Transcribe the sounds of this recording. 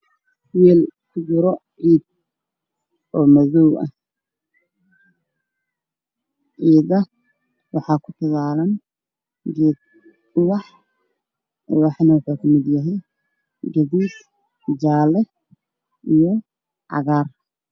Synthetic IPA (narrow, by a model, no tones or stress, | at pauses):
wɛːlt̪ʊɡʊɾɔʕiːd̪̚ | ɔːmɐðɔwʔɐ̰h | ʕiːd̪ɐ | wɑħɑːkʰʊt̪ʰɐɣaːlɐn | ɡɛːd̪̚ | ʊwɑħ | wɑħnɐwʊħuːkʰɐmɪd̪jɐɦɛj | ɡɐðiːd̪ | d͡ʒaːlɛ | ʔijɔ | ʔɑ̰ɣaːr